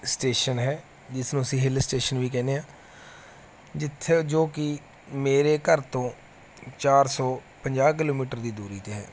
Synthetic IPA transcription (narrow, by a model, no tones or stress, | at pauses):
sʈeːʃənɦɛː | d͡ʒɪsnũːəsĩːɦɪlsʈeːʃənʋiːkɛːneːãː | d͡ʒɪt̪ʰːed͡ʒoːkɪ | meːɾeːkəɾt̪õː | t͡ʃaːɾsɔː | pəɲd͡ʒaːk̬ɪloːmiːʈəɾd̪iːd̪uːɾiːt̪eːɦɛ̰ː